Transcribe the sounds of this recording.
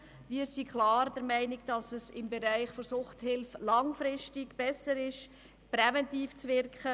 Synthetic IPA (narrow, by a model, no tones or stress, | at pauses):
ʋiːəɾsikχlɑːɾd̥ɛɾmæɪnɪɡ̚d̥ɑsəsɪmbɛɾæɪχfɔsʊχthɪlflɑŋfɾɪʃtɪɡb̥ɛsəɾɪʃ | prɛvɛntiːft͡svɪrkχə